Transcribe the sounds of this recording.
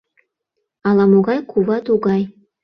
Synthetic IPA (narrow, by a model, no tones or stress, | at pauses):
ɑlˠɑmoɣɑjkʰuβɑt̪uɡɑj